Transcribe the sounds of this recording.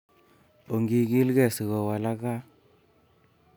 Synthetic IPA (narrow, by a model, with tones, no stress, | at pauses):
o˨ŋɡi˨ɡi˦lɡɛ˦˨si˨ɣɔ˨wa˨la˦ka˦